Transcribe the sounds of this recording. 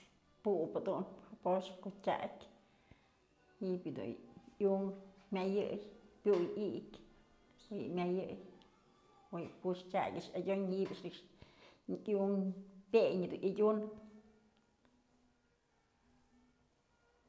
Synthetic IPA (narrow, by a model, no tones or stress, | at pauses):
puʔpad̪unapoʂkotʲa̰kʲ | hibjɨd̪ṵuŋmʲajɨjpʲujikʲ | ojɨ̰mʲajɨj | wojɨpuʂt͡ʃʲa̰kʲɨʂadʲoɲhiʔbʲɨʂnɨkʂʲ | uŋpʲeɲɨd̪unadʲun